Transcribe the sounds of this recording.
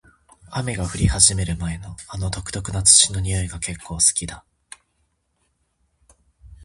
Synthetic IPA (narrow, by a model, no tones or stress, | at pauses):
ame̞ɡaɸɯ̟ɾʲihaʑime̞ɾɯ̟mae̞no̞ano̞t̪o̞kɯ̟̥t̪o̞kɯ̟nat͡sɨ̥ɕino̞ɲ̟ijo̞iɡake̞kʰːo̞ːsɨ̥kʲid̪a